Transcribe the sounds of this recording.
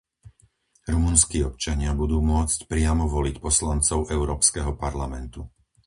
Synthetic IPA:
ɾumunskiːɔp̚t͡ʃaɲɪabud̪uːmʊɔt͡scpɾɪamɔʋɔlicpɔslant͡sɔʊɛʊɾɔːpskɛɦɔpaɾlamɛnt̪u

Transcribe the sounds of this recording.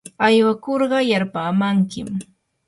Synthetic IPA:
ajwakoɾɢɑjaɾpaːmaŋkɪm

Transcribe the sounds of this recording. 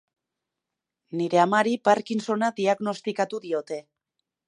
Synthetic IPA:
niɾe̞amaɾipaɾkinso̞naðiaɣno̞st̪ikat̪uðio̞t̪e̞

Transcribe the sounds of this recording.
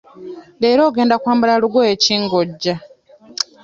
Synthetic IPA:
le̞ːɾo̞ːɡe̞ːndakwaːmbalaluɡwoeciːŋɡoɟːa

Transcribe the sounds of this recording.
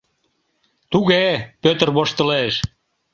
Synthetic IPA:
t̪uɣepøt̪ərβoʃt̪ə̆leʃ

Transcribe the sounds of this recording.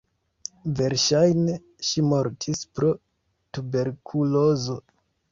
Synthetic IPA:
ve̞ɾʃajne̞ | ʃimo̞ɾtʰispɾo̞ | tube̞ɾkʰulozo̞

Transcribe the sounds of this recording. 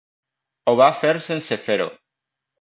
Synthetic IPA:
oβafeɾsensefeɾo̰

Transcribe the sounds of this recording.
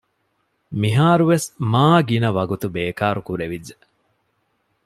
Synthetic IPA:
miɦaːɾuʋesmaːɡinɐʋɐɡut̪ubeːkaːɾukuɾeʋid͡ʒːe

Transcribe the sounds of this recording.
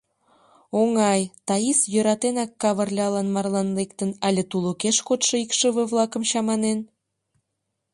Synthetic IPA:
oŋɑjt̪ɑisjøɾɑt̪enɑkːɑβərlʲeɑlɑnmɑrlɑnlekt̪ənɑlʲet̪ulokeʃkot̪ʃoikʃəβəβlˠɑkə̆mt͡ɕɑmɑnen

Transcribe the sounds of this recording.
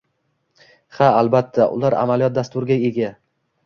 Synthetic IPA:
haalbat̪ʰːaʔʊ̰laɾa̰malijɒt̪̚d̪ast̪ʊɾɡʲaeɡʲa

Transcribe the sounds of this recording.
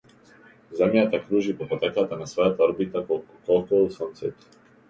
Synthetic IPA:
zɛmjat̪akɾuʒipɔpɔt̪ɛkat̪anasvɔjat̪aɾbit̪aɔkɔlˠkɔusɔnt̪sɛt̪

